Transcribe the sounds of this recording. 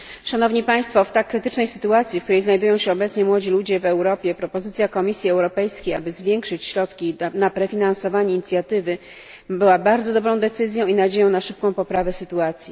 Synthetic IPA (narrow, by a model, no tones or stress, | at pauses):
ʂanɔvɲipaj̃st̪fɔft̪akːɾɘt̪ɘt͡ʂnɛjsɘ̥t̪uat̪sʲifkt̪uɾɛjznajd̪ujɔ̃w̃ɕɛɔbɛt̪sɲɛmwɔd͡ʑilud͡ʑɛvɛwɾɔpʲjɛpɾɔpɔzɘt̪sʲjakɔmʲisʲjiɛwɾɔpɛjskʲeja̰bɘzvʲjɛŋkʂɘt͡ɕɕɾɔt̪kʲinapɾɛfʲinansɔvaɲɛiːɲit̪sʲjat̪ɘvɘ | bɘwabaɾd̪zɔd̪ɔbɾɔ̃w̃d̪ɛt̪sɘzʲjɔ̃w̃inad͡ʑejɔ̃w̃naʂɘp̚kɔ̃w̃pɔpɾavɛsɘt̪uat̪sʲji